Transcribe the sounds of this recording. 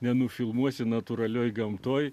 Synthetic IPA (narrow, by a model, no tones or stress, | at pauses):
nʲɛnʊfʲɪlˠmuɔsʲɪnɐt̪uɾɐlʲoːjɡɐmt̪oːj